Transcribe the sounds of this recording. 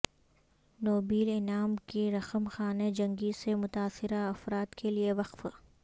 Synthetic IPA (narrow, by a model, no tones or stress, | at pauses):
noːbiːlɪnaːmkiɾɐxəmxaːned͡ʒɐ̃ŋɡisemʊt̪aːsɪɾaɐfɾaːt̪kʰelieʋɐqf